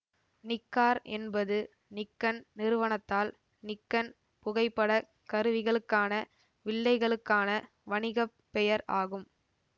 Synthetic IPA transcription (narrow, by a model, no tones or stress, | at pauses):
nɪkːaːɾɛ̰nbɐðɯ | nɪkːɐnnɪɾɯʋɐnɐt̪ːaːl | nɪkːɐn | pʊɣɐɪpːɐɽɐ | kɐɾɯʋɪɣɐɭɯkːaːnɐ | ʋɪɭːɐɪɣɐɭɯkːaːnɐ | ʋɐɳɪɣɐpːɛjɐɾaːɣɯm